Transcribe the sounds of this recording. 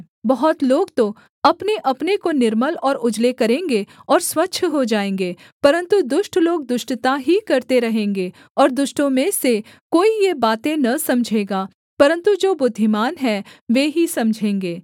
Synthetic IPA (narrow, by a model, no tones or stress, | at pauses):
bɐɦɔt̪loːɡt̪o | ɐpneʔɐpnekonɪɾməlɔːɾʊd͡ʒlekɐɾẽːŋɡeɔːɾswɐtːʃʰɦod͡ʒaːẽːŋ̆ɡeː | pɐɾə̃nt̪ud̪ʊʃʈloːɡ̚d̪ʊʃʈt̪aɦikɐɾt̪eɾɐɦẽːŋɡe | ɔːɾd̪ʊʃʈõmẽse | koːijebaːt̪ẽnɐsɐmd͡ʒʱeːɡaː | pɐɾə̃nt̪ud͡ʒoːbʊd̪ʱːɪmaːnɦɛːʋeːɦisɐmd͡ʒʱẽːŋɡeː